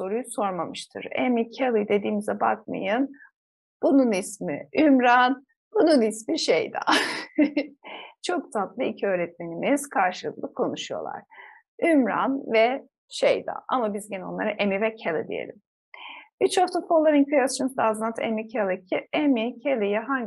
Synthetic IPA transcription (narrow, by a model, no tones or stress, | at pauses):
so̞ɾujuso̞ɾmamɯʃt̪ʰɯ̰ɾḛmicʰelˠɯd̪e̞d̪iːmizɛbak̚ma̰jɯn | b̥ununismḭymɾan | bununismiʃejd̪ɛ̰ | t͡ʃʰok̚t̪ʰat̪lˠɯicʰiø̞ːɾɛt̪̚me̞nimiz̥kʰaɾʃɯlˠɯk̚lˠɯkʰo̞nuʃujo̞̰lˠa̰ɾ̥ | ymɾa̰nvɛ | ʃejd̪ɛ̰ʔa̰mabizɟɛno̞̰nˠa̰ɾɯʔemivɛcʰelˠɯ̰d̪ḭje̞̰lʲim | it͡ʃoft̪ʰukfolˠːaɾɯnkʰyjast͡ʃunzd̪aːzlˠant̪ʰemicʰelˠiemicʰelˠijɛɦaɲ